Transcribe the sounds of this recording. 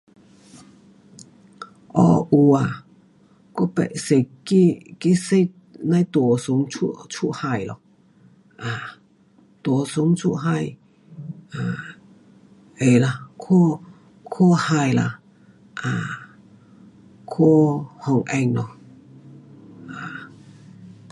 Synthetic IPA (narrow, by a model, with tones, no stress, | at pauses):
ʔɔ̰˧˩ʔu˧a˨˩ | ku˦˥˦pɛ̰˨se˧˩ki˦ki˦se˧ | nã˧jt̪wɔ˨˩su˨˦ŋt͡sʰu˧t͡sʰu˦˧˨ʔha˧jlɔ̰˨ | ʔa˨˩ | t̪wɔ˨˩su˨˦ŋt͡sʰu˧˥ʔɦa˧j | a˧˩ | e˨˩la˧kʰɔ˥ | kʰo˥˧ha˧jla̰˧˩ | ʔa˧˨ | kʰo˥˦hɔ˧˩ŋʔɛ˧ŋlɔ˧˩ | ʔa˨˩